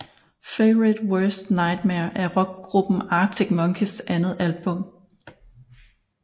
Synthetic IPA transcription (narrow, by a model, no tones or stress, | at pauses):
feɪʁid̥wɜsd̥nɑ̈ɪd̥mæɐʔæɐʁɒ̽ɡ̥̚ɡ̥ʁub̥n̩ɑ̈ːt͡sʰeɡ̥̚mɒ̽ŋkʰisʔænð̞̩ˠælb̥ɔ̽m̰